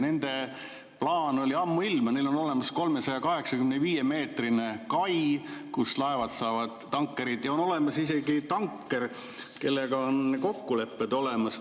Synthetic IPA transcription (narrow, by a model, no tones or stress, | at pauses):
ne̞nd̪̥e̞ | plɑːno̞lʲiɑmːuilmne̞jlo̞no̞le̞mɑsko̞lme̞sɑjɑkɑɦe̞ksɑkymneviːje̞me̞ːt̪rine̞kɑjkuslɑe̞vɑd̪sɑːvɑd̪̥ːɑŋkːˑe̞ɾid̪̥jɑo̞no̞le̞mɑsise̞ɡit̪ɑŋkːˑe̞rke̞lːeɡ̥ɑonko̞kːule̞pːˑed̪o̞le̞mɑs